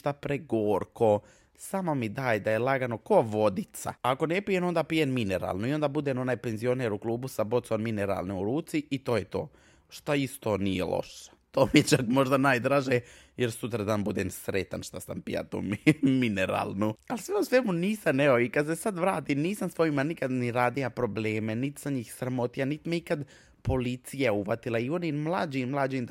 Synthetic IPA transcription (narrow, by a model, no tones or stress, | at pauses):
t̪apɾeɡoːɾko | samomid̪aːjd̪ajelˠaɡano̞koːʋo̞d̪it̪sa̰aːko̞nepijeno̞nd̪apijemmineɾa̰ːlnuiond̪abud̪eːno̞naːjpenzio̞neːɾuklˠuːbusabo̞t̪sonmineɾa̰ːlniuɾuːt̪siit̪oːjet̪oː | ʃt̪aist̪o̞ːnijḛlo̰ʃḁt̪oːmijet͡ʃakmo̞ʒd̪anaːjd̪ɾaʒejeɾsut̪ɾad̪aːnbud̪eːmsɾet̪anʃt̪asa̰mpḭja̰t̪ṵmmineɾa̰ːlˠnualsʋemusʋemuniːsanɛo̞ikad̪se̞sad̪ʋɾaːt̪imniːsamsʋo̞jimanikad̪niɾaːd̪ilapɾo̞bleːme̞nit̪i̥saɲixsɾamo̞t̪ijanit̪imeikad̪ | po̞lit̪sijauʋat̪ilaioninmlˠad͡ʒimmlˠad͡ʒiːm